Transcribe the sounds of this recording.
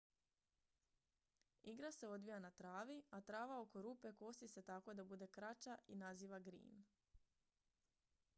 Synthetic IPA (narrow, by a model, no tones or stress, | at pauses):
iɡɾase̞o̞d̪ʋijanat̪ɾaːʋiat̪ɾaːʋao̞ko̞ɾuːpe̞ko̞st̪ise̞t̪ako̞d̪abud̪ekɾat͡ʃainaziːʋaɡɾḭːn